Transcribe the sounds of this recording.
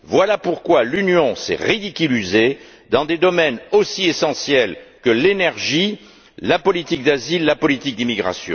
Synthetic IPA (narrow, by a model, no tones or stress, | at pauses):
vwalapuʁkwalynjɔ̃sɛ̰ʁid̪ikʲylize | d̪ɑ̃d̪ed̪ɔmɛnosiesɑ̃sjɛlkəlenɛʁʒi | lapɔlit̪ik̚d̪azilːapɔlit̪ik̚d̪imiɡʁa̰sjɔ̰̃